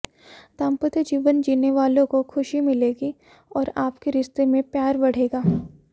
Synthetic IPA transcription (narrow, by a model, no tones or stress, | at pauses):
t̪ãːmpət̪əd͡ʒiːʋənd͡ʒiːneʋaːlõkokʰʊʃimɪleːɡi | ɔːɾaːpkeɾɪst̪emẽpjaːɾbɐɽ̤eːɡaː